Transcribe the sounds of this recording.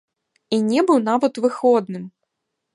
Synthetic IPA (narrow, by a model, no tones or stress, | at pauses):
inʲɛbɨwnavɐt̪vɨxɔd̪̚nɨm